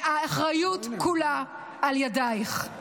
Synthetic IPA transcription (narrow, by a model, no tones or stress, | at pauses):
aaχʁajutkula | aljadajχ